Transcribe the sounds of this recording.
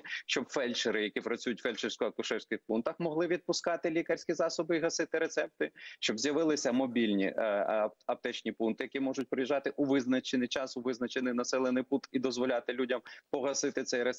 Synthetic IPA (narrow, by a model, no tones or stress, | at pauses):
ʃt͡ʃɔbfɛlʲt͡ʃeɾɪjɐkʲipɾɐt͡sʲujʊtʲfɛlʲt͡ʃeɾsʲkɔɐkʊʃɛwsʲkɪxpunt̪ɐxmɔɦlˠɪʋʲid̪̚pʊskɑt̪ɪlʲikɐɾʲsʲkʲizɑsɔbɪiɦɐsɪt̪ɪɾet̪sɛp̚t̪ɪʃt͡ʃɔbzʲjɐʋɪlˠɪsʲɐmɔbʲilʲnʲḭ | ɐp̚t̪ɛt͡ʃnʲipunt̪ɪjɐkʲimɔʒʊt̚ʲpɾɪjiʒɑt̪ɪʔuʋɪznɐt͡ʃenɪjt͡ʃɑsʊʋɪznɐt͡ʃenɪjnɐsɛlˠenɪjput̪id̪ɔzʋɔlʲɑt̪ɪlʲudʲɐmpɔɦɐsɪt̪ɪt̪sɛjɾe